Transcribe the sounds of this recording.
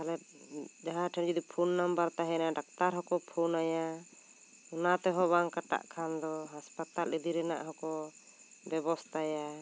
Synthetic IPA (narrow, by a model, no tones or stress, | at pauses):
alɛ | d͡ʒaɦãʈʰɛnd͡ʒid̪ipʰunːambaɾt̪aɦɛnaɖak̚t̪aɾɦɔkɔpʰunaja | ɔnat̪ɛɦɔbaŋkaʈa̰ʔkʰand̪ɔɦaspat̪alid̪iɾɛna̰ʔɦɔkɔ | bɛbɔst̪ʰaja